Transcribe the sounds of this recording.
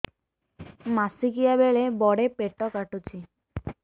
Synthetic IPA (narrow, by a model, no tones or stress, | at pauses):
masikijabeɭebɔɽepeʈɔkaʈut͡ʃʰi